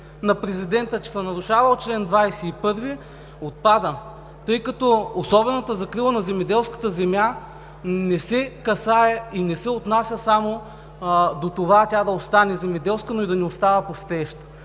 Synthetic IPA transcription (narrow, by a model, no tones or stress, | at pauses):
nɐpɾɛzid̪ɛnt̪ət͡ʃɛ̥sɛnɐɾʊʃavɐlˠt͡ʃlɛnd̪vajsɛipɤɾvi | ot̪̚pad̪ə | t̪ɤjkɐt̪ɔosɔbɛnɐt̪əzɐkɾilˠənɐzɛmɛd̪ɛlˠskə̥t̪əzɛmʲja | nɛsɛkɐsaɛinɛsɛot̪nasʲəsamo | d̪ot̪ovatʲad̪ɐost̪anɛzɛmɛd̪ɛlˠskənoid̪ɐnɛost̪avɐpost̪ɛʃt̪